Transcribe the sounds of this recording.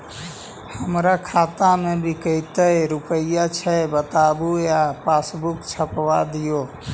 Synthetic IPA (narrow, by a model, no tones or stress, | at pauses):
həmɾakʰat̪amebʱikəjt̪əɾupəjat͡ʃʰɛbət̪abujapasbukt͡ʃʰəpwad̪ijo